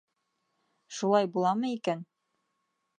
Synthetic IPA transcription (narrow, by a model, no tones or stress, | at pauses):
ʃulˠɑjbulˠɑmɤikæn